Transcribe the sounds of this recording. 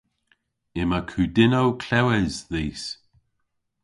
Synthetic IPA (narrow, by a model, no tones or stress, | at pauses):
ɪmakʰʉdɪnowkʰlɛwɛzðiːs